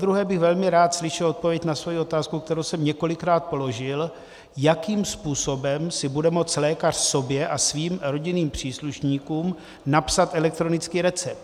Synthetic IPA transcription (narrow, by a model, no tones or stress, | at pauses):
ad̪ɾuɦɛːbɪxvɛlmɪɾaːt̪slɪʃɛlo̞t̪̚po̞vjɛcnasvojio̞t̪aːskukt̪ɛɾowsɛmɲɛko̞lɪkɾaːt̪̚po̞lo̞ʒɪl | jakiːmspuːso̞bɛmsɪbudɛmo̞t͡slɛːkar̥so̞bjɛʔasviːmɾo̞ɟɪniːmpr̝̥iːsluʃɲiːkuːm | napsat̪ʔɛlɛk̚t̪ɾo̞nɪt͡skiːɾɛt͡sɛp̚t̪